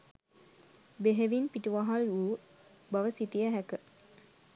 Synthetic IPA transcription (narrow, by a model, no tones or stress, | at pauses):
beɦeʋinpiʈuʋaɦaluː | bɐʋəsit̪ijəɦækə